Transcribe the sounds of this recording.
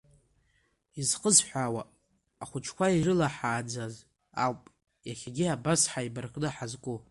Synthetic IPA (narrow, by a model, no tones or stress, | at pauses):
izqʼəzħʷawaː | χʷʊt͡ʃʰkʷairɨlaħaːd͡zaz | a̰wpʼ | jaχʲaɡʲiabasħaibarkʼnɨħazkʷʼu